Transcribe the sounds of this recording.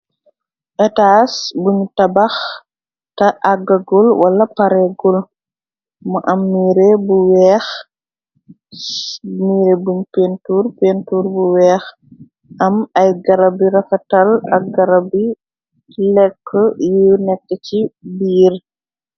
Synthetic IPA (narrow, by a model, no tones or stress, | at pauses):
ʔɛtaːsbuɲtɐbɐx | tɐʔaɡɐɡulwɐlɐpɐɾɛɡul | mɐʔɐmːiːɾebuwɛːx | miːɾebuɲpentuːrpentuːɾbuwɛːx | ʔɐmɐjɡɐɾɐbiɾɐfɐtɐlɐ̰k̚ɡɐɾɐbi | lɛkʰːəjunɛkːəcibiːr